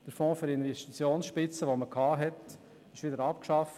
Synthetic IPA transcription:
d̥əɾfɔ̃ːfyɾɪnʋɛstit͡sjoːnsʃpɪt͡səʋoməkʰhɑːɦɛt | ɪʃʋɪdəɾɑpkʃɑf

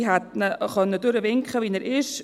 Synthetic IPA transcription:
ɦat̪nəχœnːədʊɾəvɪŋkχəviːnəɾɪʃ

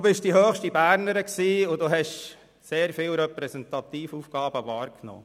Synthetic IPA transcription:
bɪʃd̥iɦœːχʃtibæːɾnəɾəksiːʊdoɦɛʃ | seːɾfiːlɾɛpɾɛsɛnt̪ɑt̪iːfufɡ̥ɑːb̥əʋɑːɾkno̰ː

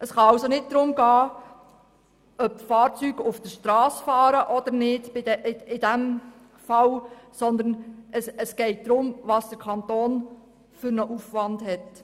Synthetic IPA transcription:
əsχɑɑwsonɪt̚d̥̪ɾʊmɡɑː | œp̚tfɑːɾt͡syɡ̥ʊfd̥əʃtɾɑːsfɑːɾəʔɔd̪ənɪd̥bɪdɪd̥æm | fɑlsɔnd̪ənəsəsɡ̥ɛɪt̚d̥̪ɾʊmʋɑsd̥əɾkʰɑnt̪oːn | fʏɾnəʔufʋɑndhɛt

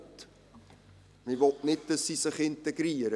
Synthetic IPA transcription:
t | mivɔtnɪt̚d̥əsisɪχɪnteɡriəɾə

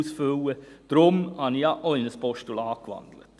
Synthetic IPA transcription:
sføwəd̪̥ɾʊmɑnɑʔɔʏnəsbɔʃtulɑːkʋɑ̰nd̪lə̰t̪

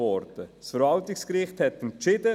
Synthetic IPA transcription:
ɔɾdəsfəɾvɑltɪkskɾɪχthɛt̪ɛnt͡ʃɪd̥ə

